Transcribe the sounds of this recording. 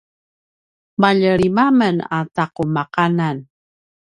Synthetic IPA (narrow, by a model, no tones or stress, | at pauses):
maʎəɾimaməna̰taqumaqanan